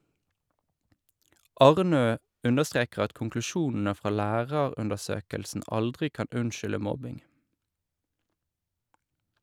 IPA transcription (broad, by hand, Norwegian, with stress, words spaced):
ˈɑʁˌnøː ˈʉndəˌstʁeːkʁ̩ ˈɑt kʊŋklʉˈʃuːnn̩ə ˈfʁɑː ˈlæːʁəʁʉndəʁˌsøːkəlsn̩ ˈɑldʁɪ ˈkɑn ˈʉnʃʏlə ˈmɔbɪŋ